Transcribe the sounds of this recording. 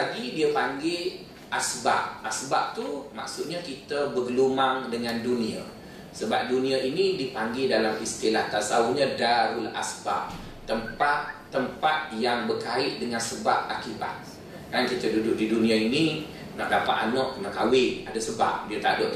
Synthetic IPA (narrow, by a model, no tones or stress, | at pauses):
aɡidiəpaŋɡe | ʔasba̰p̚ːasbaʔ̚t̪uma̰ksut̪̚ɲakit̪əbəɡəlumaŋdəŋandunia̰ | səbap̚dunĩaʔinidipaŋɡedalamist̪ilaht̪asauɲãdaɾulʔa̰sbap̚ | t̪ːəmpat̪ːəmpat̪̚jaŋbərkaɪʔ̪̚dəŋansəbap̚akiba̰t̪̚ | kankit̪ədudʊʔ̚didunĩaini | naʔdapa̰ʔ̪anɔʔkənakawɪnadasəba̰p̚diət̪a̰ʔdoʔ